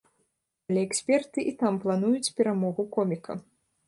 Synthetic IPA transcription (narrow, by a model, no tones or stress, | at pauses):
alʲɛɛksʲpʲɛrt̪ɨʔit̪amplˠan̪ujut͡sʲpʲɛɾamɔɣukɔmʲikɐ̰